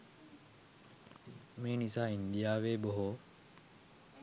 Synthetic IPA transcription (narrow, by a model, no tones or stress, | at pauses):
miːnisaːind̪ijaːʋeːboɦo